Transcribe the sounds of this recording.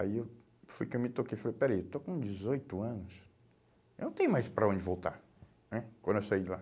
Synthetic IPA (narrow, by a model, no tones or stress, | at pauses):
a̰iew | fujkɪewmɪt̪okejfalejpɛɾɐiewt̪okõd͡ʒɪzojt̪ʊɐ̃nʊs | nɐ̃t̪ẽj̃ũmajspɾɐõd͡ʒɪvowt̪aɾ | nɛkwɐ̃nd̪ewsaila